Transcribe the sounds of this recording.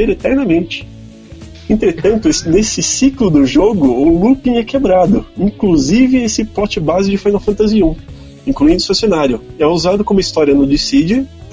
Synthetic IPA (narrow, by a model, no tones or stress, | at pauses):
eɾet̪ɛɾnɐmẽnt͡ʃɪ̥ | ẽnt̪ɾet̪ɐ̃nt̪ʊnesɪsiklʊd̪ʊʒoɡʊʊlupĩɛkebɾad̪ʊĩŋkluzivɪesɪpɔt͡ʃɪbazɪd͡ʒɪfajnawfɐ̃nt̪aziũ | ĩkluĩnd̪ʊsasjonaɾjʊɛuzad̪ʊkõmʊist̪ɔɾjɐnʊd͡ʒ̪isid͡ʒɪ